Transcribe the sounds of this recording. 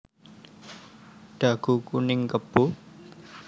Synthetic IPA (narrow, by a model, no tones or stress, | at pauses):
ɖ̪̥a̤ɡ̥ṳkunɪŋkəb̥o